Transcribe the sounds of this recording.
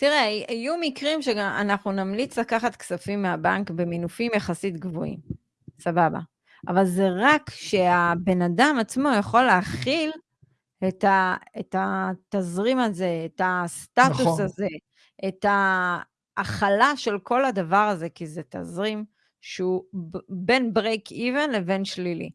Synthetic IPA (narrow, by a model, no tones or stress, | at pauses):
t̪iʁeajajumikʁimʃeɡaa̰naχnunamlit͡slakaχat̪ksafimːeabaŋkbe̞minufimjaχasitɡvo̰ḭm | sababa̰ | a̰valze̞ʁakʃe̞abe̞nadamat͡smo̞jaχo̞lːeaχil | etaetat̪azʁimaze̞ːtast̪atusaze̞ | et̪aː | χalaʃe̞lko̞lad̪avaʁaze̞kizet̪a̰zʁim | ʃeube̞nbʁejkʰivenleve̞nʃlilḭ